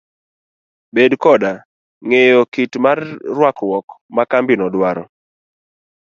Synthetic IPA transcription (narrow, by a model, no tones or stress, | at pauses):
bedkɔda | ŋejɔkitmarːwakwɔkmakambinɔdwaɾɔ